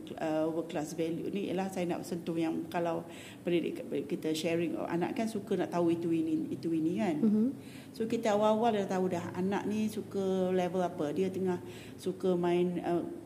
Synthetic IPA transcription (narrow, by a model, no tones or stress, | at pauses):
əwəklasvɛljṵnijə̰lahsajəna̰ʔpsənt̪ʊhjaŋkalaw | pədidḭʔəʔkit̪əʃɛɾɪŋɔ̰fa̰na̰ʔkansukənaʔt̪auit̪uiniit̪uinĩkan | sokit̪əawawaldat̪audaɦa̰na̰ʔ̚nisukəlɛvəlapədiət̪əŋah | sukəmãɪnə